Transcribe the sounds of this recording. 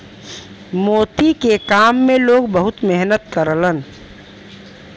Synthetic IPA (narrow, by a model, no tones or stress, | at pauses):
moːt̪ikekaːmːẽloːɡbəɦʊt̪meɦnət̪kəɾələn